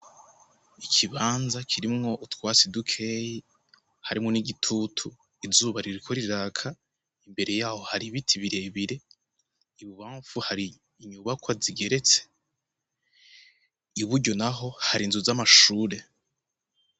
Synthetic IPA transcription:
ikʰiβaːnzakʰiɾimŋo̞ʔutwaːsedukʰeji | haɾimŋo̞niɡitʰutʰu | izuːβaɾiɾikʰoɾiɾaːkʰa | imbe̞ɾe̞jaːho̞haɾiβitʰiβiɾe̞βiɾe̞ | iβuβaːɱfuhaɾiː | ɲuβakwaziɡe̞ɾe̞t͡se̥ | iβuɾɟo̞naɦo̞haɾinzuzamaʃuːɾe̞

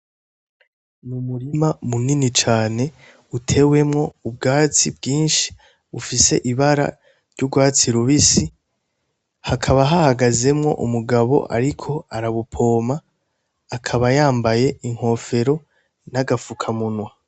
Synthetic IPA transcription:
numuɾimamuninit͡ʃaːne̞ | utʰe̞we̞mŋo̞ubɡaːt͡sibɡiːnʃi̥ | βufise̞̰ʔiβaɾa̰ | ɾɟuɡwaːt͡siɾuβisi | hakʰaβaɦahaɡaze̞mŋo̞̰ʔumuɡaβo̞̰ʔa̰ɾikʰo̞aɾaβupʰo̞ːmaː | kʰaβajaːmbaje̞ʔiŋ̥ho̞fe̞ɾo̞ | naɡafukʰamunwa

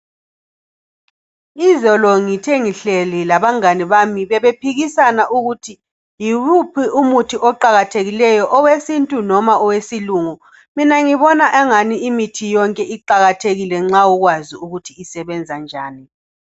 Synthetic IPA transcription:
izɔlɔŋitʰeŋiɬɛlilaβaŋaniβamiβɛβepʰiɣisanaʔuɣutʰi | jiβupʰiʔumutʰiʔɔǃaɣatʰeɣilɛjɔʔɔwesintʼunɔmaɔwesiluːŋu | minaŋiβɔnaʔɛŋaniimitʰijɔŋkʼɛiǃaɣatʰeɣilɛŋ͡ǁaɔɣwaziuɣutʰiːsɛβɛnd͡zʱand͡ʒʱaːni

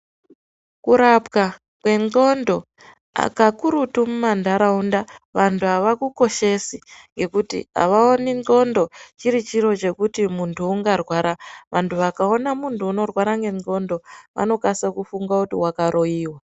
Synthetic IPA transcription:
kuɾapka | kwe̞nɡo̞ndo̞ | a̰kakuɾutumumandʱaɾaundaʋantʰuaʋakuko̞ʃe̞siŋɡe̞kutḭa̰ʋaoninɡo̞ndo̞t͡ʃiɾit͡ʃiɾo̞t͡ʃe̞kutimuntʰuːŋɡarwaɾaʋʔantʰuʋakao̞namuntʰuːno̞rwaɾaŋɡe̞no̞ndo̞ʋʔa̰no̞kasakufuŋɡakutiwakaɾʔo̞iːwa

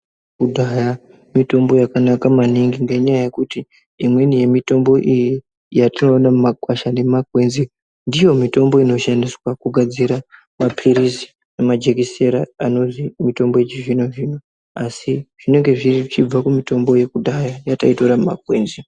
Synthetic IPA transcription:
kudʱaja | mito̞mbo̞jakanakamaniŋɡiŋɡe̞ɲajaje̞kutiː | mwe̞nije̞mito̞mbo̞ʔiji | jatino̞namumakwaʃane̞makwe̞nzi | ndijo̞mito̞mbo̞ino̞ʃandiswakuɡʱad͡ziɾa | mapʰiɾisi̥ | nemad͡ʒe̞kise̞ɾaano̞zimito̞mboet͡ʃiʐinoʐiːno | asiʐ̥ine̞ŋɡe̞ʐiriʐit͡ʃib͡vakumito̞mbo̞je̞kudʱajajataito̞ɾamumakwe̞ːnzi

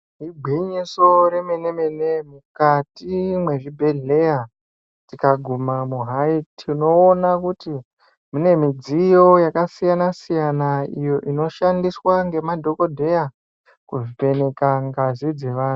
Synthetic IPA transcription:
ɦiɡʱwiɲiso̞ɾe̞me̞ne̞me̞nemukatimwe̞ʐibʱe̞ɮe̞ja | tikaɡʱumamuɦaitʰino̞ːnakuti | mune̞mid͡zijo̞jakasijanasijanaijo̞ʔino̞ʃandiswaŋɡe̞madʱo̞ko̞dʱe̞ja | kuʐipe̞ne̞kaŋɡazid͡ze̞ʋaːnu

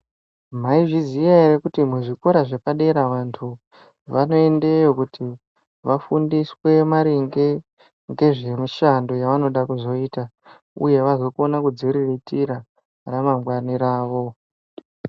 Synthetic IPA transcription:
m̤aiʐizijaeɾekutimuʐikoɾaʐe̞paɗe̞ɾaʋantʰu | ʋano̞e̞nde̞jo̞kutʰi | ʋafundiswe̞maɾiŋɡe | ŋɡe̞ʐe̞muʃando̞jaʋano̞ɗakuzo̞iːta | ṵje̞ʋazo̞konakud͡ziɾiretiɾa | ramambɡwaniɾaːʋo̞

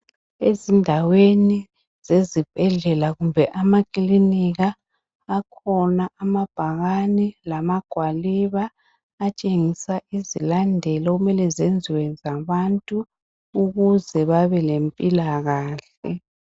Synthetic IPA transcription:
ezindʱaweni | zezib̥ʱɛɮɛlaɣumbʱɛʔamakʼiliniɣaː | kʰɔnaʔamab̥ʱaɣanilamaɡ̥ʱwaliβaː | t͡ʃʼeŋisaʔizilandʱɛlɔɣumɛlɛzend͡zʱiwɛnd͡zʱaβantʼuː | ɣuzɛβaβɛlempʼilaɣaːɬ | ɛ̰

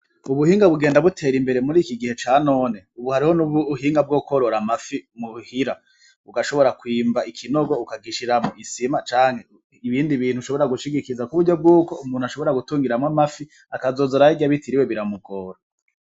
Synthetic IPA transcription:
uβuhiːŋɡaβuɡe̞ːndaβutʰe̞ːɾimbe̞ɾemuɾiːkiɡihe̞t͡ʃaːno̞ːne̞uβuhaɾihonuβuːhiːŋɡab̚ɡo̞koɾoɾamafimuhiɾa | uɡaʃoβo̞ɾakwiːmbaʔikʰino̞ɡo̞ukaɡiʃiɾamuisimat͡ʃaːŋ̥he̞ | iβiːndiβiːn̥huʃo̞βo̞eɾaɡuʃiɡikizakuβuɾɟo̞b̚ɡuːko̞umuːn̥uaʃo̞βo̞ɾaɡutuːŋɡiɾamŋamafi | akazo̞ːzoɾaiɡaβitʰiɾiwe̞βiɾamuɡoːɾo

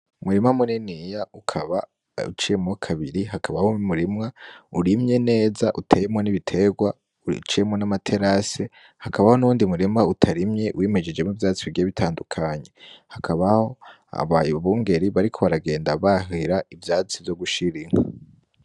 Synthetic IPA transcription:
umuɾimŋamoninijaukʰaβa | ṵt͡ʃijemokʰaβiɾihakʰaβahomuɾimŋauɾimɲe̞ne̞ːzaʔutʰe̞jemŋoniβitʰe̞ɡwa | ṵt͡ʃiemŋonamatʰe̞ɾase̞ | hakaβaho̞nuuːndimuɾimŋautʰaɾimɲe̞weːme̞d͡ʒe̞d͡ʒemivjaːt͡siiɡieβitʰaːndukʰaɲe̞hakʰaβaho̞ | a̰βajβuŋɡe̞ɾiβaɾikʰo̞βaɾaɡe̞ːndaβaɦiɾaivjaːt͡sivjo̞ɡuʃiɾiŋha

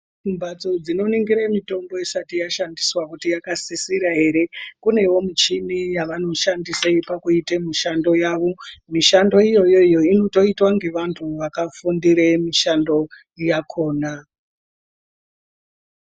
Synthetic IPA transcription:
fumbat͡so̞d͡zino̞niŋɡiɾemito̞mbo̞isatijaʃandiswakutijakasisiɾaɦe̞ɾe̞kune̞wo̞mit͡ʃinijaʋano̞ʃandisaipakuitemiʃando̞jaːʋo̞miʃando̞ijo̞jo̞ijo̞ino̞to̞itwaŋɡe̞ʋantʰuʋakafundiɾemiʃando̞ | jakʰo̞ːna

